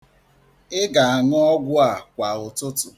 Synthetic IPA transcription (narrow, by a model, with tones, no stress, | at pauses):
ɪ˦ɡa˨a˨ŋʊ˦ɔ˦ɡʷʊ˦a˨kʷa˨ʊ˨tʊ˦tʊ˨